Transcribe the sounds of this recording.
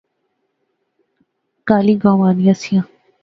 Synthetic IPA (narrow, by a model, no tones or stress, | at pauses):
kaːliːɡãːʋaːnijãsijãː